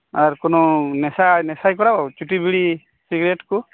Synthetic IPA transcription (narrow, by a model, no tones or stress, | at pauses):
aɾkɔnɔnɛsajnɛsajkɔɽabawt͡ʃuʈibiɽi | siɡɾeʈku